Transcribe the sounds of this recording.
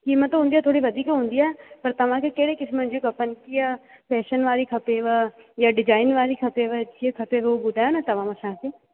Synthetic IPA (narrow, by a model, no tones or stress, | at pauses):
kiːmət̪ɦũnd̪iaːt̪ʰoːɽiʋɐd̪ʱiːkɦũːn̆d̪iːaːɛpɐɾt̪ɐʋ̤ãːkekeːɽekɪsmə̃nd͡ʒõkɐpənkia | pɛːʃənʋaːɾikʰɐpeʋəjaːɖɪd͡ʒaːɪnʋaːɾikʰɐpeʋəd͡ʒiekʰɐpeʋobʊd̪ʱaːjoːnat̪ɐʋ̤ãːmɐsãːkeː